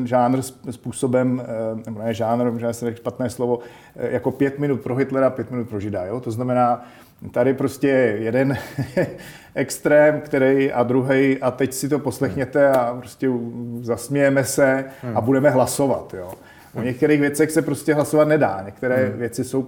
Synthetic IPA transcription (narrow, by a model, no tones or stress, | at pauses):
ʒaːnr̩sspuːso̞bɛmnɛbonɛɛʒaːnɾɛmʒanst̪ɛʃpat̪nɛːslovo̞ | jako̞pjɛt̪mɪnut̪̚pɾo̞ɦɪt̪lɛɾapjɛt̪mɪnut̪pɾo̞ʒɪda̰jot̪oznamɛnaː | t̪adɪpɾo̞scɛjɛjɛdɛn | ʔɛkst̪ɾɛːmkt̪ɛɾɛjʔad̪ɾuɦɛjʔat̪ɛcsɪt̪o̞po̞slɛxɲɛt̪ɛapɾoscɛuzasmjɛjɛmɛsɛabudɛmɛɦlaso̞va̰t̪jo | ʔoɲɛk̚t̪ɛɾiːxvjɛt͡sɛxsɛpɾoscɛɦlasovat̪nɛda̰ːɲɛk̚t̪ɛɾɛːvjɛt͡sɪso̞w